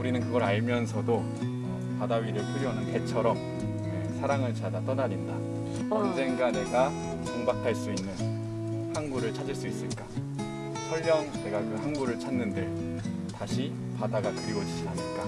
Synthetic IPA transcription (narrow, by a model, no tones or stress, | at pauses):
uɾinɯnkɯɡʌɾaɭmjʌnsʰʌdo | ʌ | padaɥiɾɯɭpʰuɾjonɯnpe̞t͡ɕʰʌɾʌm | esʰaɾaŋɯɭt͡ɕadat͈ʌnaɾinda | ʌnd͡ʑe̞ŋɡane̞ɡa | koŋbakʰaɭs͈uinːɯn | hanɡuɾɯɭt͡ɕʰad͡ʑiɭs͈uis͈ɯɭk͈a | sʰʌʎːjʌŋne̞ɡakɯhanɡuɾɯɭt͡ɕʰanːɯndɯɭ | taɕʰi | padaɡakɯɾiɡod͡ʑid͡ʑianɯɭk͈a